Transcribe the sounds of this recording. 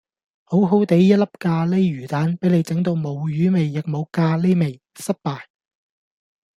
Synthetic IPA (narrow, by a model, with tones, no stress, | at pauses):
ho˨˥wɦo˨˥wt̪e˨˥jːɐ˥t̚lɐ˥p̚kaː˧le˥ɥyː˨˩t̪aː˨˥npe˨˥jle˨˧jt͡sɛ˨˥ŋt̪̬o˨˧wmo˨˧wjyː˨˥me˨jːɪ˨k̚mo˨˧wkaː˧le˥me˨j | sɐ˥t̚paː˨j